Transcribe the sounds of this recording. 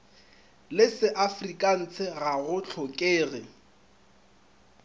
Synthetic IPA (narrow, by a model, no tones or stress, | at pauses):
lɪsɪʔafrikʼan̩t͡sʰɪɣaɣʊt͡ɬʰɔkʼeːɣɪ